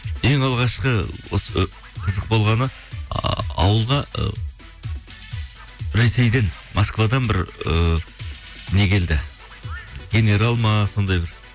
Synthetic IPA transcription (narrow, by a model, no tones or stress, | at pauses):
e̞ŋɑlˠʁɑʃqəwo̞̰sə | qʰəzəq̚bo̞lˠʁɑnə | ɑ̰wəlˠʁɑə̰ | ɾe̞se̞jd̪e̞n | mʔoskvad̪ɑnbɪɾə | ne̞kʲʰe̞ld̪ɪ | ɡʲe̞ne̞ɾalˠmɑso̞nd̪ɑjbɪɾ